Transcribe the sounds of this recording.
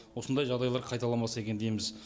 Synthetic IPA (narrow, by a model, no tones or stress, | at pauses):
wo̞sənd̪ɑjʒɑʁd̪ɑjlˠɑɾqʰɑjt̪ɑlˠɑmɑse̞kʲed̪e̞jmɪz